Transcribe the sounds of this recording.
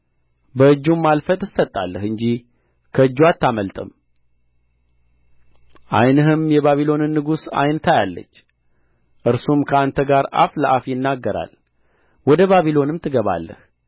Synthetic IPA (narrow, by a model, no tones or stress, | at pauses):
bəɨd͡ʒːumːalfət̪ʼɨsət̪ʼːa̰lːəhɨɲd͡ʒi | kʰəɨd͡ʒːwat̪ʰːaməlt̪ʼəm | ʔa̰jnəɦɨmjɛβaβilo̞nɨnːɨɡusa̰jnt̪ʰajalːə̰t͡ʃː | ʔɨɾsumkʰəant̪ʰəɡaɾa̰fləʔafjɪnːaɡːəɾa̰l | wɔd̪əβaβilo̞nɨmt̪ʰɨɡəβa̰lːə̰h